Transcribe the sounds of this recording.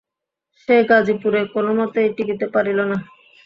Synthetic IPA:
ʃeɡad͡ʑipuɾekonomɔt̪oeʈiɡit̪epaɾilona

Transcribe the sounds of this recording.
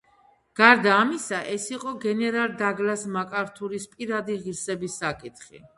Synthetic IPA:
ɡ̥aɾd̪aːmisaʔɛsiqʼɔɡɛnɛɾalˠd̪aɡlasmakʼaɾt̪ʰuɾispʼiɾad̪iʁiɾsɛbisːakʼit̪ʰχḭ

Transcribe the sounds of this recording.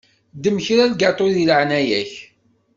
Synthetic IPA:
d̪əmçɾæðɡɑt̪ˤoɾðiləʕnæjæç

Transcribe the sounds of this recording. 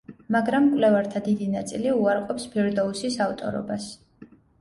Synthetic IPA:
maɡɾamkʼwlɛvaɾt̪ʰad̪id̪inat̪sʼiliuaɾqʼɔpspʰɛɾd̪ɔusisaft̪ʼɔ̰ɾɔ̰bas

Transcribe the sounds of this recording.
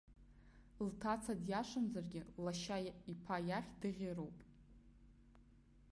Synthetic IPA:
ltʰat͡sʰadjaʂʷɨmzarɡʲɪlaʃaipʰajaχʲdɨʁʲerowpʼ

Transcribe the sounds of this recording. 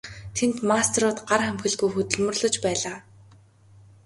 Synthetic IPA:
t̪ʰent̪mast̪ʰeɾʊːt̪ɢarχæmxɘ̆ɮɡujxɵt̪ɵ̆ɮmɵ̆rɮɵ̆t͡ɕpæːɮaː

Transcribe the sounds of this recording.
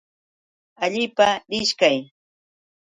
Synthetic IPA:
aʎɪpaɾɪʃkaj

